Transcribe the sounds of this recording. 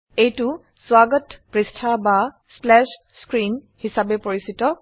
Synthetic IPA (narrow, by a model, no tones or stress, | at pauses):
ejtʊ | swaɡɔtpɹistʰaba | splɛʃ | skɹin | hisabɛpoɹisitɔ